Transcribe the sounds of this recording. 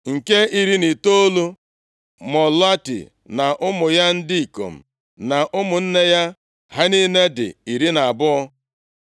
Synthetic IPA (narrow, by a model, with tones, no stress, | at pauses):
ŋ̩˨ke˦i˨ɾi˦ni˨to˦lu˦ | mɔ˨la˦tḭ˨ | na˨ʔʊ˦mʊ˨ja˦n̩˦di˦i˨ko̰˨m̩˨ | na˨ʔʊ˦mʊ˨n̩˦ne˦ja˦ | ɦa˦ni˦ne˦dɪ̰˨i˨ɾi˦na˨a˨bʊ˦ɔ˦